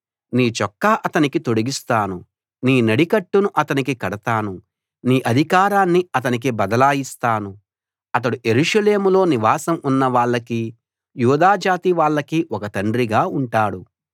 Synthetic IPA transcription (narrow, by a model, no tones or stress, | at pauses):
niːt͡ʃɔkːaːʔɐt̪ɐnikit̪o̞ɽiɡist̪aːnu | niːnɐɽikɐʈːunuʔɐt̪ɐnikikɐɽɐt̪aːnu | niːʔɐd̪ʱikaːɾaːnːiɐt̪ɐnik̬ibɐd̪ɐlaːjist̪aːnu | ɐt̪̬ɐɽuʔe̞ɾuʂɐle̞ːmulo̞ːniʋaːsɐmunːɐʋaːɭːɐki | juːd̪aːd͡ʒaːt̪iʋaːɭːɐkiʔɔkɐt̪ɐɳɖɾiɡaːuɳʈaːɽu